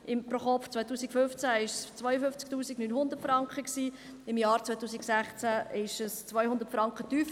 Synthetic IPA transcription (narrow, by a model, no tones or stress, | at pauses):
ɪmpɾoχɔft͡svœjt̪uːsikføft͡sæɪʃst͡svœʏjəfʏft͡sk̚tuːsiɡnyːnɦʊnd̪ətfɾɑŋkχəksiː | ɪmjɑːɾt͡svœjt̪uːsiksæχt͡sæɪʃəst͡sʋœjhʊnd̪ətfɾɑŋkχət̪yːf